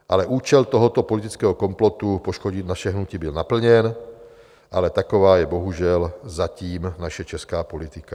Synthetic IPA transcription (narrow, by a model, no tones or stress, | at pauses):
ʔalɛʔuːt͡ʃɛlt̪ɔɦɔt̪ɔpɔlit̪i̥t͡skɛɦɔkɔmplɔt̪upɔʃkɔɟinaʃɛɦnuciːbilnapl̩ɲɛn | ʔalɛt̪akɔʋaːjɛbɔɦuʒɪɛlzaciːmnaʃɛt͡ʃɛskaːpɔlit̪ika